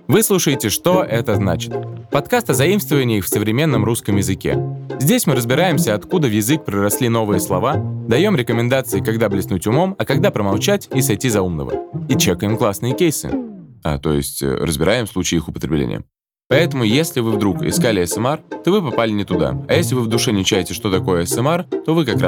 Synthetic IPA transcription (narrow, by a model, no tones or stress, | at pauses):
vɨslˠuʂəjɪtʲɪʂt̪o̞ʔɛt̪əznat͡ɕɪ̥t̪̚pɐt̪kast̪əzɐimst̪vəvənʲɪixfsəvɾʲɪmʲe̞nːəmɾuskəmjɪzɨkʲḛzʲdʲesʲmɨɾəzbʲɪɾajɪmsʲəɐt̪kud̪əvjɪzɨk̚pɾʲɪɾɐsʲlʲino̞vɨjəslˠɐvad̪ɐjo̞mɾʲɪkəmʲɪnd̪at̪sɨɪkɐɡ̚d̪ablʲɪsnutʲʊmo̞mɐkɐɡd̪apɾəmɐlˠt͡ɕætʲisɐjtʲizɐumnə̰və̰it͡ɕekəjɪmklˠasnɨjəkʲejsɨ̰a̰t̪o̞̰jɪ̰sʲtʲɾə̰zbʲɪɾajɪmslˠut͡ɕɪːixʊpət̪ɾʲɪblʲḛnʲɪ̰jə̰ | pɐɛt̪əmʊjesʲlʲɪvɨvd̪ɾukɪ̰skalʲɪɛsɛmɛrt̪o̞vɨpɐpalʲɪnʲɪt̪ʊd̪a̰ɐjesʲlʲɪvɨvd̪ʊʂɛnʲɪt͡ɕæjɪtʲɪʂt̪o̞t̪ɐko̞jəɛsɛmɛrt̪o̞vɨkɐka